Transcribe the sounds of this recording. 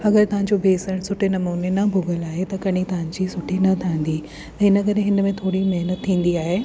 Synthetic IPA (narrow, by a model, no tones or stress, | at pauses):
ɐɡəɾt̪ɐʋ̤ãɲd͡ʑobʱeːsəɽ̃sʊʈʰenɐmoːnenɐbʱʊɡəlaːɦet̪ɐkɐɽ̃it̪ɐʋãɲd͡ʑisʊʈʰinɐt̪ʰãĩn̆d̪i | ɛ̃ːɪnəkɐɾeɦɪnə̆mẽt̪ʰoːɽimɐɦnət̪ʰːĩːn̆d̪iaːɦeː